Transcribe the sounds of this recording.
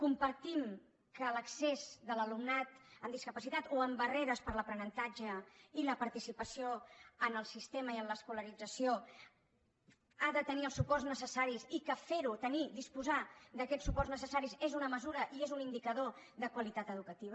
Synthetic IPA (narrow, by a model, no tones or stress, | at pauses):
kumpəɾt̪im | kələksezðələlumnat̪əmd̪iskəpəsit̪at̪oəmbəreɾəspəɾləpɾənənt̪ad͡ʒəiləpəɾt̪isipəsioənəlˠsist̪eməiənləskuləɾid͡zəsio | aðət̪əniəlˠsupɔrznəsəsaɾisikəfeɾut̪ənid̪ispuzad̪əkɛsupɔrznəsəsaɾizezunəməzuɾəʔiezunind̪ikəðoðəkwəlit̪at̪əðukət̪iβə